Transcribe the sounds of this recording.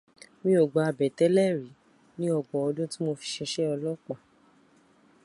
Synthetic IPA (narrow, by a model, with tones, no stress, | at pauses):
mĩ˧˦o˨ɡ͡ba˧a˨bɛ˨tɛ˦lɛ˦˨ɾi˨˦ | nĩ˦ɔ˦˨ɡ͡bɔ̃˨ɔ˧dũ˦ti˦mo˧fi̥˧ʃɛ˧ʃɛ˦ɔ˧lɔ˦˨k͡pa˨